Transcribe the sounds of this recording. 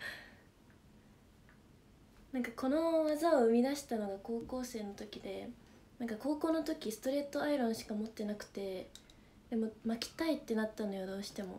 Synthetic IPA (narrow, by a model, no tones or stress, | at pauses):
nãŋkako̞no̞βazaoɯ̟mʲid̪aɕi̥t̪ano̞ɡako̞ːko̞ːse̞ːno̞t̪o̞kʲid̪e̞ | nãŋkako̞ːko̞ːno̞t̪o̞kʲisɨ̥t̪o̞ɾe̞ːt̪ːo̞aiɾõ̞ɰ̃ɕi̥kamo̞t̪ːe̞nakɯ̟̥t̪e̞ | d̪̥e̞momakʲi̥t̪ait̪ːe̞nat̪ːanojod̪o̞ːɕi̥t̪e̞mo̞̰